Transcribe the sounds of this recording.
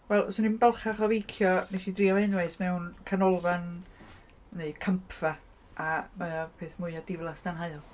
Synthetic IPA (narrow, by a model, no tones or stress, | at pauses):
wɛlˠsɔnimbɛlˠχaχɔvejkʰjɔneʃidriːɔvenwajθmɛwnkʰanɔlˠvan | neɨkʰəmpʰv̥a | ʔamapʰeːθmʊɨadɪvlˠasd̥anɦaɨlˠ